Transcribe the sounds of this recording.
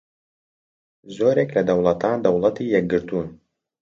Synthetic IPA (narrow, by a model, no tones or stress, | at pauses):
zoːɾeːklɐd̪ɐwlˠɐt̪aːnd̪ɐwlˠɐt̪iːjɛk̚ɡɨɾt̪uːn